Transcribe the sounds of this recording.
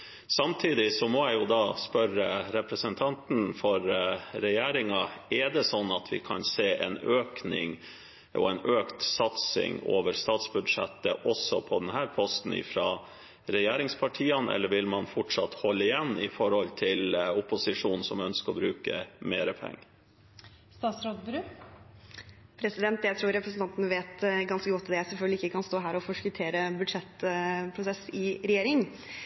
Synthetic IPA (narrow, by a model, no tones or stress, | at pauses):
sɑmt̪ʰiːd̪ɪsɔmɔæɪjʊd̪ɑspœɾəɾɛpɾəsənt̪ʰɑnt̪n̩fɔɾɾɛjeːɾɪŋɑɛɖɛsɔnːɑt̪ʰʋɪ̰kʰɑ̰nseːʔɛ̰nøːknɪ̰ŋ | ʔɔ̰ɛnøːkt̪sɑt̪sɪ̰ŋoːʋəɾst̪ɑːt̪sbʉd̪ʂɛ̰t̪ːəʔɔsɔpʰɔd̪ɛnɦæːɾpʰɔst̪n̩ɪ̰fɾɑː | ɾɛjeːɾɪŋspʰɑʈʰiːənʔɛ̰lːəɾʋɪlmɑnfɔʈʂɑt̪hɔlːəɪjɛnːɪfɔɾhɔlt̪ʰɪlʊpʊsɪʂuːnn̩sɔmœnskəɾɔbɾʉːkə̰meːɾəpʰɛ̰ŋːə | st̪ɑːt̪sɾod̪bɾʉː | pʰɾɛsɪd̪ɛnt̪jæɪt̪ʰɾuːɾɛpɾəsnt̪ɑnt̪ənəʋeːt̪ɡɑnskəɡɔt̪ːd̪ɛæsɛlfœɡlɪɪkːəkʰɑnst̪oːɦæːɾɔfɔʂkʉt̪ʰeːɾəbʉd̪ʂɛt̪pʰɾʊsɛsɪɾɛjeːɾɪŋ